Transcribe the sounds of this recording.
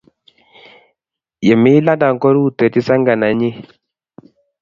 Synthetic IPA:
jɛ˨mi˦la˦da˨ŋ˨kɔ˦ɾu˦˨tɛ˨ti˦sa˦ŋɡa˨na˨˦ɲi˦

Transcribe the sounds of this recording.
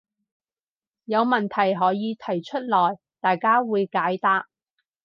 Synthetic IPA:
jɐ˨˧wmɐ˨˩nt̪ʰɐ˨˩jɦɔː˨˥jiː˨˧t̪ʰɐ˨˩jt͡ʃʰɵ˥t̚lɔː˨˩j | t̪aː˨jkaː˥wuː˨˧jkaː˨˥jt̪aː˥k̚

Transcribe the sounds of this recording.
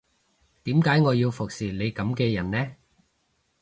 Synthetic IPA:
t̪iː˨˥mkaː˨˥jŋɔː˨˧jiː˧wfʊ˨k̚siː˨˩le˨˧jkɐ˨˥mkɛː˧jɐ˨˩nnɛː˥

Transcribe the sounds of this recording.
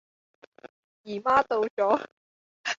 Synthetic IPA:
jiː˨˩maː˥t̪o˧wt͡sɔː˨˥

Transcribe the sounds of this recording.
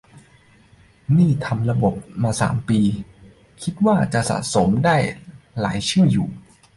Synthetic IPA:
niː˥˩t̪ʰa˧mɾa˧bo˨˩p̚maː˧sa̰ː˩˦mpiː˧ | kʰi˦˥t̪̚waː˥˩t͡ɕa˨˩ʔsa̰˨˩so˩˦mdaː˥˩jla̰ː˩˦jt͡ɕʰɯː˥˩juː˨˩

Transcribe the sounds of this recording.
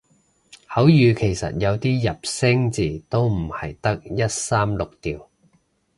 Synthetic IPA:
hɐ˨˥wjyː˨˧kʰe˨˩jsɐ̰˨t̚jɐ˨˧wt̪iː˥jɐ˨p̚sɛ˥ŋt͡siː˨˩t̪o˥wm̩˨˩hɐ˨˩jt̪ɐ˥k̚jɐ˥t̚saː˥mlʊ˨k̚t̪iː˨˩w

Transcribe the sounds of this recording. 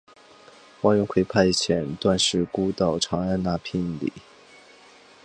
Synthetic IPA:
wa˥nɥɛ˧˥nkʰwe˧˥ɪpʰa˥˧ɪ˧˩t͡ɕʰjɛ˧˥nt̪wa˥˧nʂɻ̩˥˩ku˥t̪ɑ˥˩ʊʈ͡ʂʰɑ˧˥ŋa˥˧na˥˧pʰi˥˩nlḭ˨˩˦

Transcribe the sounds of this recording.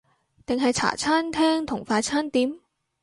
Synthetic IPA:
t̪ɪ˨ŋɦɐ˨jt͡sʰa̰ː˨˩t͡sʰaː˥nt̪ʰɛː˥ŋt̪ʰʊ˨˩ŋfaː˧t͡sʰaː˥nt̪iː˨˥m

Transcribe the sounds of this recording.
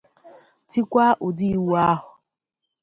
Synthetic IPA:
ti˦kʷa˦ʔʊ˨di˦i˨wa˦ɦʊ˨

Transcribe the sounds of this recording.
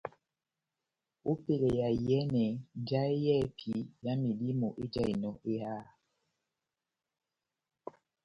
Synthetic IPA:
o˦pe˨lɛ˨ja˨jɛ˦nɛ˨n˦d͡ʒa˦e˦jɛ˦˨pʰi˨ja˦mi˨li˦mɔ˨ʔe˦d͡ʒa˦˨i˨nɔ˨ʔe˦aː˦˨

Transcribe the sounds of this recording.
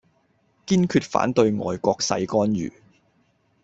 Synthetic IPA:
kiː˥nkʰyː˧t̚fa̰ː˨˥nt̪ɵ˧ɥŋɔ̰ː˨˩jkʷɔː˧k̚sɐ̰˨˧jkɔː˥njy̰ː˨˩

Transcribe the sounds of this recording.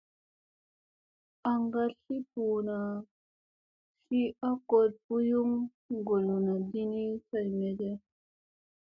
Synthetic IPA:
a˨ŋɡa˦ɬi˦pu˨na˨ | ɬi˦a˦ko˨d̚bu˦ju˦ŋ | ɡo˨lu˨na˨di˦ni˦sa˨jmɛ˨dɛ˦

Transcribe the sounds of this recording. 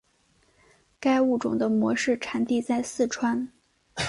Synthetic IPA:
ka˥ɪu˥˩ʈ͡ʂʊ̰˨˩ŋd̪ə˦mwɔ˧˥ʂɻ̩˥˩ʈ͡ʂʰa˨˩˥nt̪i˥˧t͡sa˥˧ɪsɹ̩˥˩ʈ͡ʂʰwa˥n

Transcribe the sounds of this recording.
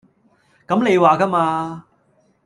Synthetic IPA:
kɐ˨˥mne˨˧jwaː˨kɐ˥maː˧

